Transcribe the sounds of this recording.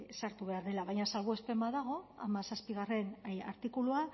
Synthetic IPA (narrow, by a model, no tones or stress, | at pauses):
saɾt̪uβe̞aɾðe̞laβajɲasalβoe̞spe̞maðaɣ̞o̞a̰masaspiɣ̞are̞naɾt̪ikulua